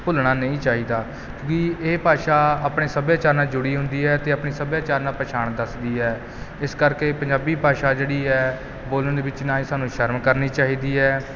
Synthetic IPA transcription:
pʊlɳaːnəĩːt͡ʃaːɦiːd̪aː | kjõːkɪeːpaːʃaːaːpɳeːsəbjaːt͡ʃaːɾnãːd͡ʒʊɽiːɦʊ̃nd̪iːɛːt̪eːəpɳeːsəbjaːt͡ʃaːɾnãːpəʃaːɳ̃d̪əsd̪iːɛː | ɪskəɾkeːpəɲd͡ʒaːbiːpaːʃaːd͡ʒeːɽiːɛː | boːləɳd̪eːʋɪt͡ʃnaːĩːsaːnũːʃəɾmkəɾniːt͡ʃaːɦiːd̪iːɛː

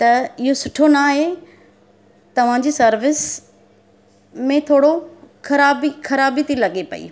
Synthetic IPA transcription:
t̪ɐɪɦosʊʈʰonaːɦe | t̪ɐʋ̤ãd͡ʑiːsɐɾʋɪs | mẽt̪ʰoːɽoxʰɐɾaːbixʰɐɾaːbit̪ʰilɐɠepɐ̰ḭː

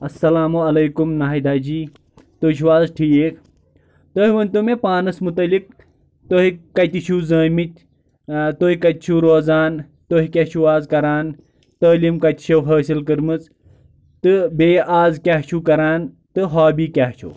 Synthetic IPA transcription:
ɐsːɐlaːmoɐlɐjkumnaːid̪aːd͡ʒiː | t̪oʃuwaːzʈʰiːek | t̪oɦiʋɐnt̪umepaːnɐsmut̪ɐlik̚ | t̪oɦikɐt̪ʲit͡ʃʰuzɐːmit̪̚ʲ | t̪oɦikɐt̪ʲit͡ʃʰuɾoːzaːn | t̪oɦikʲɐt͡ʃʰuaːzkɐɾaːn | t̪əːlimkɐt̪i̥ʃʰɐwɦɐːsilkɨɾmɨz | t̪ɨbeːaːzkʲaɦt͡ʃʰukɐɾaːn | t̪ɨɦaːbiːkʲaɦt͡ʃʰṵː

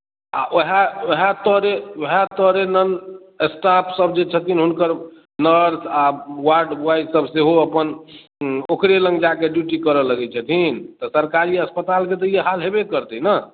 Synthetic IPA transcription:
a̰ʔoɦaoɦat̪ɔɾeoɦat̪ɔɾenən | esʈapʰsəbʱd͡ʒet͡ʃʰət̪ʰinɦunkəɾ | nəɾsawaɾɖbuajsəbseɦoəpən | okɾelə̃ŋɡd͡ʒakeɖjuʈikəɾələɡɛt͡ʃʰət̪ʰint̪ɔsəɾkaɾiəspət̪alket̪əjeɦalɦebekəɾt̪inə

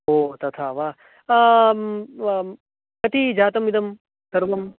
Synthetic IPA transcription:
ɦoːt̪ɐt̪ʰaːʋaːɦ | kɐt̪id͡ʒaːt̪ɐmid̪ɐm | t̪ɐɾbɐm

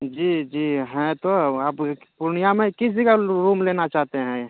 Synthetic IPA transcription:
d͡ʒiːd͡ʒiːɦɛ̃t̪oaːppʊɾnijamẽkɪs̬ikaɾuːmleːnat͡ʃaːɦt̪eɦɛ̃

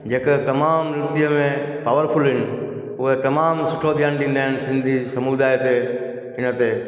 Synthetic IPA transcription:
d͡ʒeːket̪ɐmaːmnɾɪt̪ɪjəmẽpaːʋəɾpʰʊlɦɪn | ʊɦet̪ɐmaːmsʊʈʰod̪ʱjaːnɖĩːnd̪aːɦɪnsɪ̃nd̪ʱisəmud̪aːjt̪e | ɦɪnət̪e

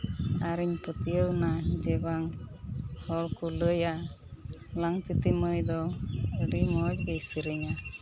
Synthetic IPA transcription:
aɾiɲput̪ijəwnad͡ʒɛbaŋ | hɔɽkuləja | laŋt̪it̪iməjd̪ɔəɖimɔc̚ɡejsəɾəɲa

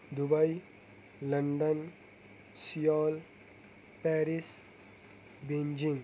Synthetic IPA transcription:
d̪ubaj | ləɳɖən | sijɔːl | pɛɾis | bẽɲd͡ʒĩŋ

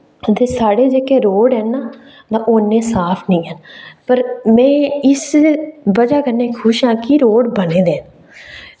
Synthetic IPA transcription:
t̪eːsaːɽeːd͡ʒeːkeːɾoːɽɦɛːnaː | naʔoːnːẽːsaːpʰnĩːɦənpəɾmɛ̃ːɪsbəd͡ʒaːkəɾneːkʰʊʃãːkiɾoːɽbənẽːd̪eːn

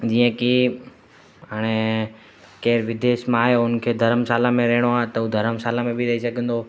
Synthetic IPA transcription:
d͡ʒiːə̃ki | ɦaːɽ̃e | keːɾʋɪd̪eːʃmãaːɦjoʊnkʰeːd̪ʱɐɾəmsaːlãmẽɾɐɦɪɽ̃oaːɦet̪ɐũːd̪ʱɐɾəmsaːlãmẽbʱiɾɐɦisɐɡʱə̃nd̪oː

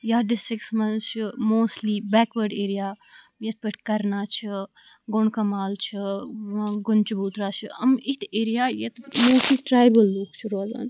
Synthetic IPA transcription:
jaːɖɪsʈɾɪksmɐnt͡ʃʰɨmoːsʈliːbɛːkʋəɾɖeːɾijaː | jet̪̚ʰpəʈkɐɾnaːt͡ʃʰi | ɡʊɳkɐmaːlt͡ʃʰə | ɡʊnt͡ʃɐbuːt̪ɾaːt͡ʃʰɨɐ̰mɪt̪ʰeːɾijaːjɐt̪moːstliːʈɾaːjbəlːuːkʃʰuɾʋaːza̰ːn

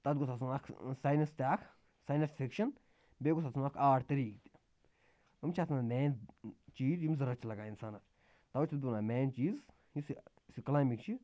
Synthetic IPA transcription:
t̪ɐt̪ɡut̪ʰas̬unakʰsaːjnɐst̪ʲaːkʰ | saːjnɐsfʰikʃɐn | beːɡusʰasunaːkʰaːʈt̪ɐɾiːk̚t̪i̥ | umʲt͡ʃʰaːt̪ʰnamɛːnt͡ʃiːd̪jimʲzɐɾɐt͡ʃʰilɐɡaːinsaːnɐ | t̪ɐwɐt͡ʃʰʲd̪unaːmʲɛːnt͡ʃiːz | isi | siklaːmikt͡ʃʰi

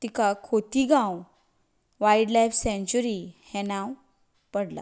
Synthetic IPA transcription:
t̪ikakʰot̪iɡãw | ʋajɖlajfsɛ̃ɲt͡ɕuɾihɛ̃nãw | pəɽla̰

